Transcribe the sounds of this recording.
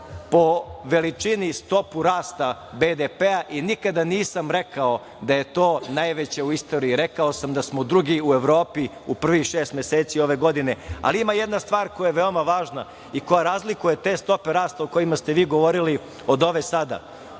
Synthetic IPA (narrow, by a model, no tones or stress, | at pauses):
po̞ʋe̞lit͡ʂinist̪o̞puɾaːst̪a | bed̪epeaʔinikad̪aniːsamɾe̞kao̞ | d̪aje̞t̪o̞ːnajʋe̞t͡ɕe̞uist̪o̞ːɾiːɾe̞kaosamd̪asmo̞d̪ɾuɡiue̞ʋɾo̞ːpi | upr̩ʋixʃeːst̪mʲjeseːt̪sio̞ʋe̞ɡo̞d̪ine̞a̰liimaje̞d̪nast̪ʋaːɾko̞jajeʋeo̞maʋaːʒna | iko̞jaɾazlikuje̞t̪e̞ːst̪o̞peɾaːst̪aoko̞jimast̪eʋiːɡo̞ʋo̞ɾili | o̞d̪o̞ʋesad̪a̰